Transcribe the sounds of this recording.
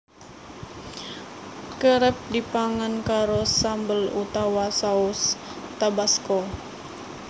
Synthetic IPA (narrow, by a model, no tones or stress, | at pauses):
kəɾɛp̚dipaŋankaɾosambəlṵt̪awasaust̪abaskɔ